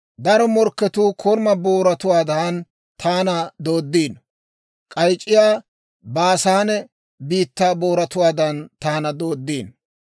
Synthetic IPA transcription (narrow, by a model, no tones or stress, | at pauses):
d̪ɐɾɔmɔɾkːɛt̪uːkʰɔɾmɐboːɾɐt̪ʊwaːd̪ɐːn | t̪ʰaːnɐd̪oːd̪ːiːn | kʼɐjt͡ʃʼːɪjaː | baːsaːnɛ | biːt̪ːaːbo̞ːɾɐt̪ʊwaːd̪ɐnt̪aːnɐd̪o̞ːd̪ːiːn